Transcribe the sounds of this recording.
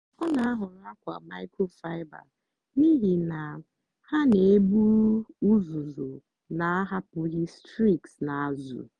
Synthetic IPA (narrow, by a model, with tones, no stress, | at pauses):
ɔ˦na˨a˦ɦʊ˨n˦a˦kʷa˨ma˦ɪ˦ko˦fa˦ɪ˦ba̰˨ | ni˦ɦi˨na˨ | ha˦ne˨e˦bu˦u˦zu˨zo˨ | na˨a˦ɦa˦pʊ˨ɣi˦stɾi˦˨ksna˨a˨zṵ˨